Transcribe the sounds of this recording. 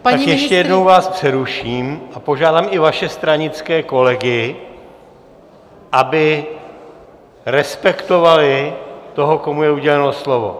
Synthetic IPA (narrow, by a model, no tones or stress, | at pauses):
paajɛʃcɛjɛdno̞wvaːspr̥ɛɾuʃiːmʔapo̞ʒaːdaːmɪvaʃɛst̪ɾaɲɪt͡skɛːko̞lɛɡɪ | ʔabɪ | ɾɛspɛkt̪o̞valɪt̪o̞ɦoko̞mujɛuɟɛlɛno̞slo̞vo̞̰